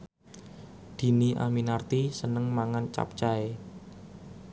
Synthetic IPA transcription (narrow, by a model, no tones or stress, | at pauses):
d̪̥i̤niʔa̰minart̪isənəŋmaŋant͡ʃa̰p̚t͡ʃae